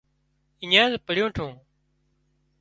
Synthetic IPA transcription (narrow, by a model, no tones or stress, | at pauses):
ɪɲãːzpəɽjõːʈʰũː